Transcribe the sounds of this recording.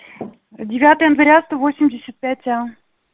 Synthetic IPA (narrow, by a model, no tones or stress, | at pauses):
dʲɪvʲat̪ɨjənvəɾʲast̪ovosʲɪmʲdʲɪsʲət̪̚pʲætʲa